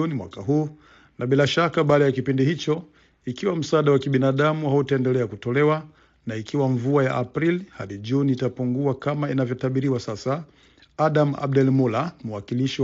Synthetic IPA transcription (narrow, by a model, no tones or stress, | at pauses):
nimwa̰kaɦuː | naɓilaʃakaɓaːɗajakipindihit͡ʃɔ | ikiwam̩saaɗawakiɓinaɗamuhautaɛndɛlɛakutɔlɛwa | naikʰiwaɱvuajaʔapɾilihaɗiʄuniːtapuŋɡuakamainavjɔtaɓiɾiwasasa | aɗama̰b̚dɛlmulamuwakiliʃi